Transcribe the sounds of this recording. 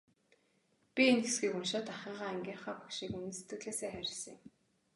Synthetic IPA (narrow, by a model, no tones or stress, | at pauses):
pʲienxesɡiːkʊnʃaːt̪aχɪːʁaːeŋɡʲiːɴχaːpakʃiːkɵnɘ̆se̥t̪ɡɘ̆ɣɮeːseːχæɾʲɪ̆sə̃̆j̆m